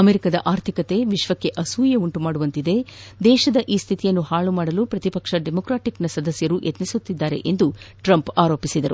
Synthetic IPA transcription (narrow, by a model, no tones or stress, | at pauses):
ɐmeɾikɐd̪ɐʔaːɾt̪ʰikɐt̪e̞ʋiʃʋɐkːe̞ʔɐsuːjɐuɳʈumaːɽuʋɐnt̪id̪e̞d̪ɛːʃɐd̪ɐʔiːst̪ʰit̪ijɐnːuhaːɭumaːɽɐlupɾɐt̪ipɐkʂɐɖemokɾaːʈiknɐsɐd̪ɐsjɐɾujʔɐt̪nisut̪ːid̪ːaːɾe̞̰ʔend̪uʈɾɐmpaːɾo̞ːpisid̪ɐɾṵ